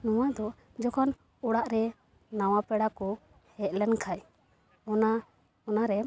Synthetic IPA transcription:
nɔwad̪ɔ | d͡ʒɔkʰɔn | ɔɽaʔɾɛ | nawapɛɽakɔ | hɛʔ̪̚lɛnkʰaj | ɔna | ɔnaɾɛ

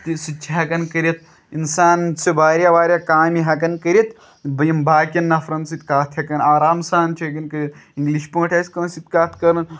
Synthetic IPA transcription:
t̪isɨt͡ʃʰiɦɐkɐnkɐɾʲit̪̚ | insaːnsibaːɾjaʋaːɾʲjakaːmiɦɐkɐnkɐɾʲit̪ | bɐjimbaːkʲɐnːɐfɾɐnsit̪kaːt̪ʰhʲɐkɐnaːɾaːmsaːnt͡ʃʰiɐkɐnkɐɾʲit̪ĩŋɡliʃpõːʈʰʲɐːsʲkɐːnsit̪̚kaːt̪ʰkɐɾɐn

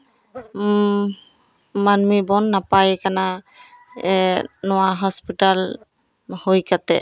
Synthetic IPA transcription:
manmibɔnːapajkana | ɛnʊwaɦɔspital | hojkatɛ̰

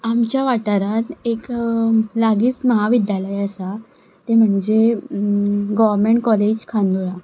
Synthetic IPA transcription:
amt͡ɕjaʋaʈaɾat̪ek | laɡiːt͡sməɦaʋid̪jaləjəsa | t̪em̤əɳd͡ʑe | ɡɔʋəɾmeɳʈkɔled͡ʑkʰãnd̪uɾa

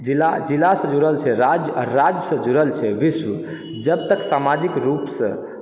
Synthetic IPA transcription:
d͡ʒilad͡ʒilːasə̃d͡ʒuɾəlt͡ʃʰɛɾad͡ʒjɾad͡ʒjəsə̃d͡ʒuɾəlt͡ʃʰɛʋisʋə | d͡ʒəb̚t̪əksamad͡ʒikɾupsə̰̃

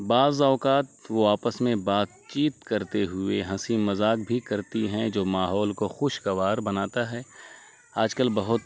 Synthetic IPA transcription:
baːzaːkaːt̪ʋoaːpəsmẽbaːt̪̚t͡ʃiːt̪kɐɾt̪eɦʊeɦɐ̃simɐzaːkbʱikɐɾt̪iɦɛ̃d͡ʒoːmaːɦɔːlkoxʊʃɡɐʋaːɾbɐnaːt̪aɦɛː | aːd͡ʒkəlbɐɦʊt̪

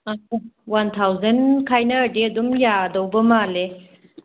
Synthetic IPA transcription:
awant̪ʰawzənkʰajnəːɖed̪umjad̪ɐubəmaːle

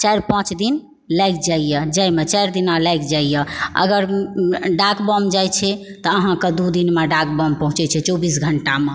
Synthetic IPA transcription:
t͡ʃajɾpãt͡ʃd̪in | lajk̚d͡ʒaijəd͡ʒajmet͡ʃajɾd̪inalajkd͡ʒaijəə̰ɡəɾɖakbəmd͡ʒajt͡ʃʰɛt̪ɔəɦãked̪ud̪inmeɖak̚bəmpə̃ɦũt͡ʃɛt͡ʃʰɛt͡ʃobisɡʱəɳʈame

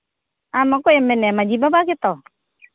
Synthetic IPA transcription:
amakoɛmɛnɛmad͡ʒibabakit̪ɔ

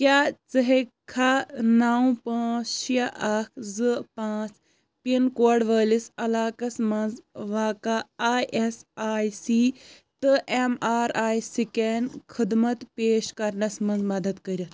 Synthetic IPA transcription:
kjaːt͡sɐɦekʰanaːw̃pɐ̃ːʃjɐʔɐkʰzɨpãːt͡s | pinkoːɖʋəːlisɐlaːkɐsmɐnzʋaːkaaːjʔesaːjsiː | t̪ɨʔemaːɾaːjsikenkʰɨd̪mɐt̪peːʃkɐɾnɐsmɐnzmɐd̪ɐd̪kɐɾʲi

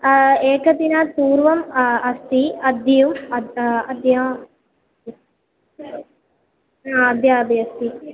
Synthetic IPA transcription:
eːkɐd̪inɐt̪uːɾʋɐmɐst̪iɐd̪ʱɐjumɐɐd̪ja | aɐd̪ʱjaːbʱijɐst̪i

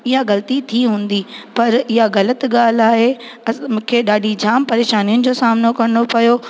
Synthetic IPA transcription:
ɪɦaɣɐlt̪it̪ʰiɦũːn̆d̪ipɐɾɪɦaɣɐlət̪ɠaːl̤aːɦeɐmũːkʰeɗaːɖʱid͡ʑaːmpɐɾeːʃaːnijʊnɪ̆d͡ʑoːsaːmnokɐɾɪnopɐjo

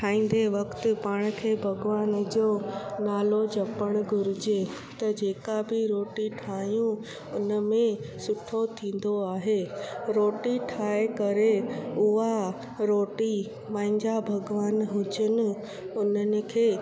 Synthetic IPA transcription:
ʈʰaːĩːn̆d̪eʋɐkt̪ɪ̆paːɽ̃̆kʰeːbʱɐɡʋaːnd͡ʑoːnaːlod͡ʑɐpəɽ̃ɡʱʊɾɪd͡ʑe | t̪ɐd͡ʑeːkabɪɾoːʈiʈʰaːjũ | ʊnəmẽsʊʈʰot̪ʰĩːn̆d̪oaːɦeːɾoːʈiʈʰaːekɐɾeʊɦa | ɾoːʈi | pãːɪ̃ɲd͡ʑabʱɐɡʋaːnɦʊd͡ʑʊnɪ̆ | ʊnənɪ̆kʰeː

